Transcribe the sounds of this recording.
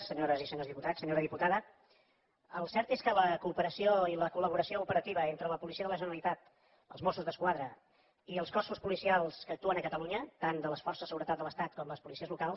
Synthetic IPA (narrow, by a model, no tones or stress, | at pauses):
səɲoɾəzisəɲozðiput̪asəɲoɾəðiput̪aðə | əlˠsɛɾt̪eskələkuːpəɾəsioiləkuləβ̞uɾəsioupəɾət̪iβ̞əent̪ɾələpulisiəðələʒənəlit̪at̪ | ə̰lˠzmɔsuzðəskwaðɾə | iəlˠskɔsuspulisialˠskəːk̚t̪uənəkət̪əluɲət̪and̪ələsfɔrsəzðəsəɣuɾət̪at̪̚d̪ələst̪at̪̚kɔmləspulisiəzlukalˠs